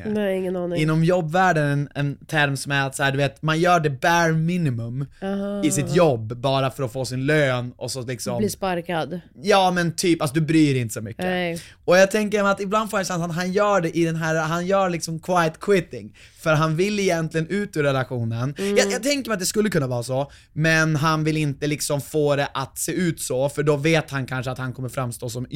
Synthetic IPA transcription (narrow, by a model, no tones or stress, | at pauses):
ɪŋːənɑːnɪɪnːɔmjɔbːvæːɖənɛnɛnt̪ʰæɾmsɔmæɾat̪saæːɖ̪ɵveːt̪manjœːɖɛbæɾminɪmɵmɪsɪt̪jɔbːɑːɾafœɾɔfoːsɪnløːnɔsɔlɪksɔmliːspaɾkad̪jɑːmɛnt̪ʰyːpalsɔd̪ɵbɾyːɾɪnt̪ə̥sɔmʏkːə | ɔjaːɡt̪ʰɛŋkəɾmɛat̪ɪbland̪foːjasansaɦanjœːɖɛʔɪd̪ɛnɦæːɾɦanjœːɭɪksɔmkʰwajt̪kʰwɪt̪ɪ̰ŋ | fœɾɦanvɪlːɪjɛnt̪lɪɡənʉ̟ːt̪ʉːɾɛlaɧuːnənjajaːɡ̚t̪ʰɛŋkəɾmɛjat̪̚d̪ɛskɵlːəkʰɵnːavɑːɾasɔ | mɛnɦanvɪlɪnt̪əlɪksɔmfoːɾɛʔat̪seːʉ̟ːt̪sɔfœɖɔveːt̪hankʰanʂəat̪hankʰɔmːəɾfɾamst̪oːsɔm